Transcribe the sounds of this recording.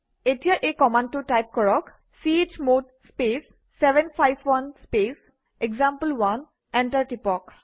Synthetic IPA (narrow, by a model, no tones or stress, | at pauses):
etijaʔekɔmantutajp̚kɔɹɔk | siet͡ʃmod | spesː | ɛbɛnpʰajbʰwanspes | eɡzãmpəlwan | ɛntaɹʈipɔk